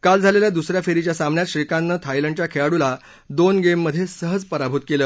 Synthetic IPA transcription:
kald͡zʱaleljad̪usɾjafeɾit͡ɕjasambɳjat̪ɕɾikanːət̪ʰajləɳɖ̚t͡ɕjakʰeɭaɽula | d̪onɡemːəd̪ʱːjesəɦəd͡zpəɾabʱut̪̚keləː

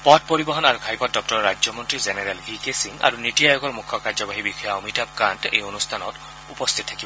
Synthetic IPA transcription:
pɔt̚poɹibɔɦɔnaɹukʰajpɔt̚dɔk̚tɔɹɔɹad͡ʒɔmɔntɹizeneɹɛlɡikesiŋa̰ɹunitijajɔɡɔɹmukʰːɔkaɹzɔbaɦibikʰɔjaɔmitab̚kantḛjonust̪ʰanɔ̰t | upɔst̪ʰit̚tʰakibɔ

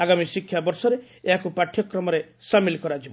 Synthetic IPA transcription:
aɡamisikʰːjabɔɾsɔɾe | eɦakupaʈʰːjɔkɾɔmɔɾe | samilkɔɾad͡ʒib

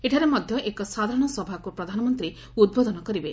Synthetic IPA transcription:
eʈʰaɾemɔd̪ʱjɔʔekɔsad̪ʱaɾɔɽ̃ɔsɔbʱakupɾɔd̪ʱanɔmɔnt̪ɾi | ud̪̚bod̪ɔnɔkɔɾibe

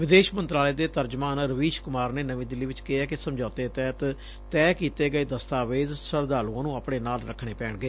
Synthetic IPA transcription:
ʋɪd̪eːʃmənt̪ɾaːleːd̪eːt̪əɾd͡ʒmaːnɾəʋiːʃkʊmaːɾneːnəʋĩːd̪ɪlːiːʋɪt͡ʃkɪɦɛːkɪsəmd͡ʒaːt̪eːt̪ɛːt̪ | t̪ɛːkiːt̪eːɡəeːd̪əst̪aːʋeːzsəɾd̪aːluãːnũːaːpɽ̃eːnaːlɾə̰kʰːɽ̃eːpɛːɳɡəeː

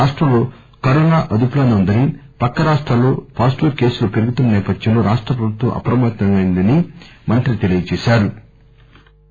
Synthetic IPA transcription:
aːʂʈɾɐmlo̞ː | kɐɾɔːnaːʔɐd̪uplɐnd̪ɐund̪ɐnipɐkːɐɾaːʂʈɾalːo̞ːpaːsʈoɾke̞ːsulupeɾuɡut̪unːɐnɛːpɐd̪jɐmloːɾaːʂʈɾɐpɾɐbut̪ʋɐ̰mʔɐ̰pɾɐmɐt̪nɐmɐjnd̪ɐnimɐnt̪ɾit̪elijɐt͡ʃɛːʃaːɾu

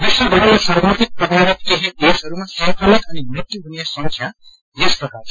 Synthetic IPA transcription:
bisʌb̪ʱʌɾojasabʱat̪ik̚prʌd̪ʱabʌt̪̚keɦid̪esɦʌɾumasʌ̃pʰalʌkʌnimekt̪ːiɦunjasʌ̃ŋksʰjã | jesprʌkart͡sʰ

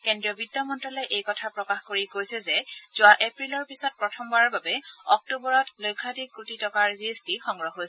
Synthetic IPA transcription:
kendɹiɔbidɔmɔntɹɔlɔjʔejkɔtʰapɹɔkaxkoɹikojsɛzɛz̥ʊaʔepɹilɔɹpisɔt̚pɹɔtʰɔmbaɹɔɹbabɛɔk̚tubɔɹɔtlojkʰːatikːutitɔkaɹziestixɔŋɡɹɔɦojsɛ

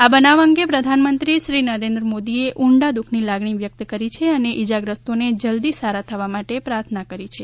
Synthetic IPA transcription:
abənaʋəŋɡepɾəd̪ʱanmənt̪ɾiʃɾinəɾẽnd̪ɾəmod̪ieʔuɳɖad̪ukʰnilaɡɳiʋjək̚t̪kəɾit͡ʃʰeəneʔid͡ʒaɡɾəst̪oned͡ʒəld̪isaɾat̪ʰəʋamaʈepɾaɾt̪ʰnakəɾit͡ʃʰe

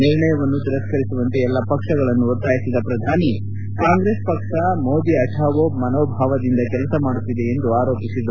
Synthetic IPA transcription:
niɾɳɐjɐʋɐnːut̪iɾɐskɐɾisuʋɐnt̪eɛlːɐpɐkʂɐɡɐɭɐnːuuɾt̪aːjisid̪ɐpɾɐd̪ʱaːni | kaːŋɡɾe̞ːspɐkʂɐmoːd̪iɐʈʰaːʋomɐnoːbʱaːʋɐd̪ind̪ɐkɛlɐsɐmaːɽut̪ːid̪e̞end̪uaːɾo̞ːpisid̪ɐ

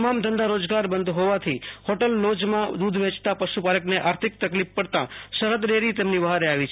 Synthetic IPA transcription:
əmamd̪ʱənd̪aɾod͡ʒɡaɾbənd̪ɦoʋat̪ʰihɔʈəlːod͡ʒmãd̪ud̪ʱʋet͡ʃt̪apəʃupaləkneʔaɾt̪ʰɪk̚t̪əklippəɽt̪ã̰ʃəɾət̪ɾeɾit̪emnibəɦaɾeaʋit͡ʃʰ

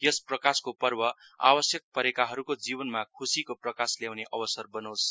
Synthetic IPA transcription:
jʌsprʌkaskopʌrbʌa̰bʌsjʌk̚pʌɾekaɦʌɾukod͡zibʌnmakʰusikoprʌkasljawneʔʌbʌsʌrbʌnʌwsʰ

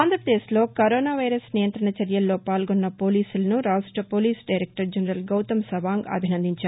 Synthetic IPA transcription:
aːnd̪ʱɾɐpɾɐd̪eːslo̞ːkɐɾoːnaːʋɐjɾɐsnijɐnt̪ɾɐɳɐt͡ʃɐɾjɐlːo̞ːpaːlɡɔnːɐpo̞ːliːsulɐnuɾaːsʈɐpoːliːsɖɐjɾek̚ʈɐɾd͡ʒɐnɐɾɐlɡɐwt̪ɐmsɐʋaːŋɡɐ̰bʱinɐnd̪iɲt͡ʃaːɾ

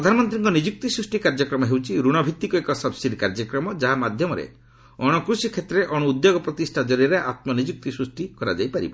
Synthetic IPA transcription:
pɾɾɔd̪ʱanɔmɔnt̪ɾiŋkɔnid͡ʒuk̚t̪isɾusʈikaɾd͡ʒɔkɾɔmɔɦewt͡ʃʰiɾuɽ̃ɔbʱit̪ːikɔekɔsɔbsid̪ʱikaɾd͡ʒɔkɾɔmɔd͡ʒaɦamad̪ʱjɔmɔɾḛ | ɔɽ̃ɔkɾusikʰet̪ɾeʔɔɽɔud̪joɡɔpɾɔt̪isʈʰad͡ʒɔɾiɾeʔat̪mɔnid͡ʒuk̚t̪isɾusʈikɔɾa̰d͡ʒajpaɾḭbɔ

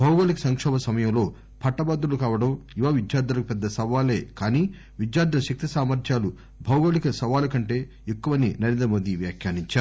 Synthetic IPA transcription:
bʱɐwɡoːlikɐsɐŋkʂɔːbɐsɐmɐjɐmlo̞ː | pʰɐʈːɐbaːd̪ɾulukaːʋɐɽɐmiʋaːʋid͡ʒjaːɾd̪ɐlɐkupɛd̪ːɐsɐʋaːle̞̰ːkaːniː | ʋid͡ʒjaːɾd̪ɐʃɐk̚t̪isaːmɐɾd̪jaːlu | bʱɐwɡoːlikɐsɐʋaːlɐkɐɳʈe̞ː | ekːuʋɐnḭnɐɾend̪ɐmoːd̪iʋjaːkʰjaːniɲt͡ʃaː

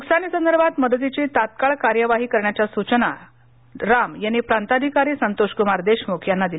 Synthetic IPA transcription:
uksaniːsənd̪əɾbʱat̪məd̪ət̪̬it͡ɕet̪at̪̚kaɭkaɾjəʋaɦiːkəɾɳjat͡ɕjasut͡ɕna | ɾamjanːipɾant̪ad̪ʱikaɾiːsənt̪oɕkumaɾd̪eɕmukʰjanːad̪il

